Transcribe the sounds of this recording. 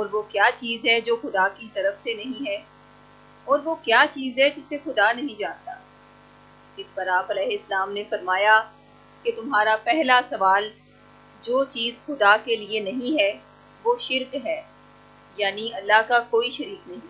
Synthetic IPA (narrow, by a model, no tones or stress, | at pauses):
ɔːɾʋokjaːt͡ʃiːzɦɛd͡ʒoːxʊd̪akit̪ɐɾəfsenɐɦĩɦɛː | ɔːɾʋokjaːt͡ʃiːzɦɛd͡ʒɪsexʊd̪anɐɦĩd͡ʒãːnt̪aː | ɪspɐɾaːpɐlɛːɦeɪsɐlaːmnefɐɾmaːja | ket̪ʊmɦaːɾapɛɦlasɐʋaːl | d͡ʒoːt͡ʃiːzxʊd̪akelienɐɦĩɦɛ | ʋoːʃɪɾkɦɛː | jaːniɐlːaɦkakoːiʃɐɾiːknɐɦĩ